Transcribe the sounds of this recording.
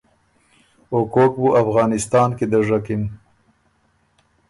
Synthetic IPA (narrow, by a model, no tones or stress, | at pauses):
okok̚buʔafɣɑːnɪst̪ɑːnked̪əʐakɪn